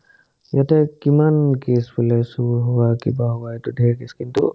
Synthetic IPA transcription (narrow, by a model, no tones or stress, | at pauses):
jatɛkimankesbulɛsuɦʊwakibaɦʊwaetudʱɛɹkeskintṵ